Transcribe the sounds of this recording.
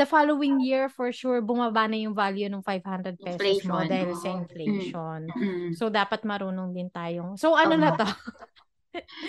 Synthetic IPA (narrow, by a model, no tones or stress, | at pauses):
d̪ɐfalowɪŋjiɹfɔɹʃuɹbʊmabanɐjʊŋvaljunʊŋfajvhand̪ɾɛd̪̚pɛːɔsmod̪aːhɪlsɐɪnfleʃonsod̪aːpɐt̪̚mɐɾuːnoŋd̪ɪnt̪aːjosoʔɐnnonɐt̪o